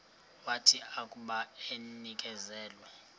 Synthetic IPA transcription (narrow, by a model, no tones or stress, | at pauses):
watʰiakʼuɓaenik̬ʼɛzɛːlwɛ